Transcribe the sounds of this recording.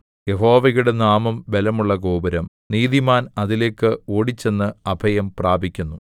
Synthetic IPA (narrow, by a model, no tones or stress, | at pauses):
je̞ɦo̞ːʋɐɣuɽe̞naːmɐmbe̞lɐmuɭːɐɡo̞ːbɐɾɐm | niːðimaːnɐðile̞ːkːɨoːɽit͡ɕːe̞nːɨɐbʱɐjɐmpraːbʱikʲːunːu